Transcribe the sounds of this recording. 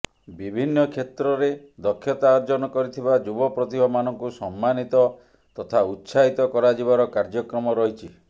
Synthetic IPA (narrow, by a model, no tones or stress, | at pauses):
bibʱinːɔkʰet̪ɾɔɾe | d̪ɔkʰːjɔt̪aːɾd͡ʒɔnɔkɔɾit̪ʰibad͡ʒubɔpɾɔt̪ibʱɔmanɔŋkusɔmːanit̪ɔ | t̪ɔt̪ʰaut̪ːsaɦit̪ɔkɔɾad͡ʒibaɾɔkaɾd͡ʒɔkɾɔmɔɾɔɦit͡ʃʰi